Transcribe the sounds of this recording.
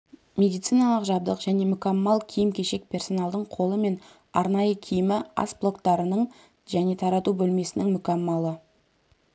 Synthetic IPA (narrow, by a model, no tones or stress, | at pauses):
mʲe̞d̪ijt̪sijnɑlˠəqʒɑb̚d̪əqʒæne̞mʏkamːɑlˠkʲʰijɪmkʲʰe̞ʃe̞k̚pʰʲe̞rso̞nɑlˠd̪əɴqʰo̞lˠəme̞n | ɑɾnɑjəkʲʰijɪmɪɑ̰sblˠo̞kt̪ɑɾənəɴ | ʒæne̞t̪ʰɑɾɑt̪ubɵlme̞sɪnɪŋmʏkʲamːalˠə